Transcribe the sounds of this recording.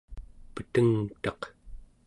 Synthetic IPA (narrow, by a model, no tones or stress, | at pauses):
pət̪əŋt̪ɑq